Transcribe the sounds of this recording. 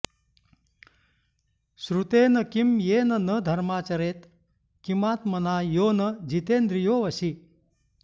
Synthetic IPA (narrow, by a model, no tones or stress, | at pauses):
sɾut̪eːnəkimjeːnənəd̪ʱəɾmaːt͡ɕɐɾet̪ | kimaːt̪mənaːjoːnəd͡ʑit̪eːnd̪ɾijoːʋɐɕi